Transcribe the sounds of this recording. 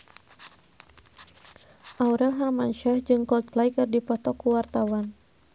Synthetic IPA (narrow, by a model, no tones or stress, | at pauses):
ʔauɾɛlɦarmanʃahd͡ʒɨŋkɔlt̪̚klajkɨrdipɔt̪ɔkuwart̪awan